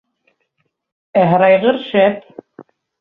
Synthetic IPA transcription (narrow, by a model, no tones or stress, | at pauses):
æɦɾɑjʁɤɾʃæp̚